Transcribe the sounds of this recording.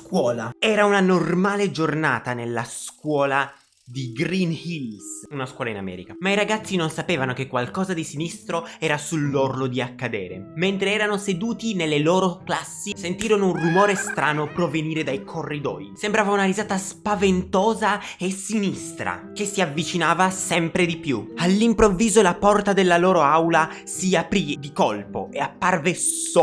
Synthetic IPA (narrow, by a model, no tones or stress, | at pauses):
skwɔːlaɛːɾaunanormaːled͡ʒornaːt̪anelːaskwɔːla | d̪iɡɾinhilsunaskwɔːlaina̰mɛ̰ːɾikamaiɾaɡat̪sːinonsapeːvanokekːwalkɔːzad̪isinist̪ɾoɛːɾasulːorlod̪iakːad̪ɛːɾḛment̪ɾeɛːɾanosed̪uːt̪inelːelɔːɾoklasːisent̪iːɾonounrumɔːɾest̪ɾaːnopɾoveniːɾed̪ajkʰorːid̪ɔ̰ːjsembɾaːvaunaɾizaːt̪aspavent̪ɔːzaesinist̪ɾa̰k̟esiavːit͡ʃinaːvasɛmpɾed̪ipjualːimpɾovːiːzolapɔrt̪ad̪elːalɔːɾoawla | siapɾid̪ikolpo̰eapːarveso